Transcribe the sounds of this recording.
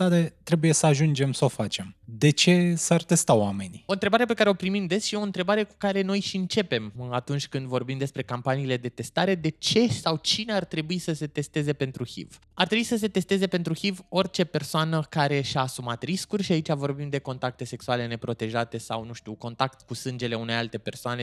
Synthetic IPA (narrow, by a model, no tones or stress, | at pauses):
d̪̥at̪et̪ɾe̞buje̞səaʒund͡ʒe̞msəo̞fat͡ʃe̞md̪e̞t͡ʃe̞sart̪e̞st̪awame̞nioɨnt̪ɾe̞baɾe̞p̬e̞kaɾeopɾimimd̪esʃieo̞ɨnt̪ɾebaɾe̞ku̥kaɾe̞no̞jʃiɨnt͡ʃe̞pe̞mat̪unt͡ʃʲkɨnd̪vo̞rbimd̪espɾe̞kampaniːle̞d̪e̞t̪e̞st̪aɾe̞d̪e̞t͡ʃe̞sawt͡ʃine̞art̪ɾe̞buisəse̞t̪e̞st̪e̞ze̞pe̞nt̪ɾuhḭv | art̪ɾebuisəs̬e̞t̪e̞st̪e̞ze̞pe̞nt̪ɾuxivo̞rt͡ʃe̞pe̞rsoanəkaɾe̞ʃaːsumat̪ɾiskurʲʃiait͡ʃavo̞rbimd̪e̞ko̞nt̪ak̚t̪e̞se̞ksuale̞ne̞pɾo̞t̪e̞ʒat̪e̞sawnuʃt̪uwko̞nt̪akt̪kusɨnd͡ʒe̞le̞une̞jalt̪e̞pe̞rsoane̞